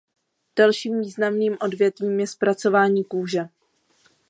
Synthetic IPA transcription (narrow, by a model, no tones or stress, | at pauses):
d̥alʃiːmviːznamniːmʔo̞dvjɛt̪viːmjɛspɾat͡so̞vaːɲiːkuːʒɛ